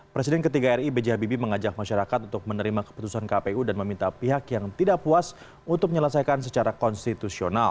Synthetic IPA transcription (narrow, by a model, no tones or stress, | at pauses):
pɾesidɛnkət̪iɡaɛribed͡ʒiɦabibiməŋad͡ʒak̚maʃaɾakat̪unt̪ʊk̚mənəɾimakə̥put̪usankapeudanməmint̪apiɦakjaŋt̪idaʔpuas | unt̪ʊk̚mɲələsajkansət͡ʃaɾakɔnst̪it̪usional